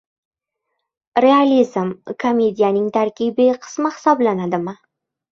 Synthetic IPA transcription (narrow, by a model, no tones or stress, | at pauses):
ɾealizmkʰomʲed̪ijanɪŋt̪ʰaɾkʲibɪqʰɨ̥smaχɪ̥sɑblanad̪ɪmɪ